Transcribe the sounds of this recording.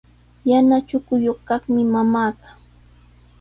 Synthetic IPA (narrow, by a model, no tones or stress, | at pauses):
janat͡ʃʊkʊjoχkɑχmɪmamaːt̪ḁ